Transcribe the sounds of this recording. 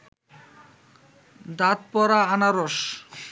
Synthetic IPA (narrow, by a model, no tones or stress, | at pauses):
d̪at̪̚pɔɾaanaɾoʃ